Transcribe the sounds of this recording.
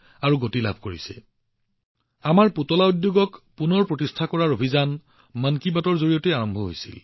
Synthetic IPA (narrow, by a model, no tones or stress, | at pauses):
aɹuɡotila̰bʱkoɹḭsɛ̰ | amaɹputɔlaudjoɡɔkpunɔɹpɹɔtistʰakɔɹaɹobʱizan | mankibatɔɹzoɹijɔteaɹɔmbʱɔɦo̰jsḭl